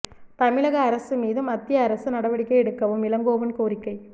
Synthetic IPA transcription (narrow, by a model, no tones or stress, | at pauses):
t̪ɐmɪɻɐɣɐːɾɐsɯmiːðɯmɐt̪ːɪjɐːɾɐsɯnɐɽɐʋɐɽɪkːɐɛɽɯkːɐʋɯmɪlɐŋɡoːʋɐnkoːɾɪkːɐɪ